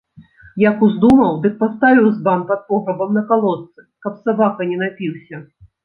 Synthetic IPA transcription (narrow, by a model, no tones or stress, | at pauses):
jakuzd̪umɐwd̪ɨk̚past̪avʲiwzbampɐt̪̚pɔɣɾɐbɐmnɐkalˠɔt̪sɨkɐpsabakɐnʲɛnapʲiwsʲɐ